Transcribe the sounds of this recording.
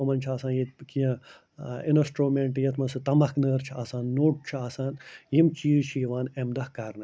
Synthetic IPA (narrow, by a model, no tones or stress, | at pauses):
omɐnt͡ʃʰaːsãːnjikijɐ̃ | inɐsʈɾoːmeɳʈjɐt̪ʰmɐnsɨt̪ɐmɐknəːɾt͡ʃʰiaːsãːnːoːʈ̚t͡ʃʰiaːsaːnjimt͡ʃiːʃiːʋaːnemd̪ɐhkaːɾnɨ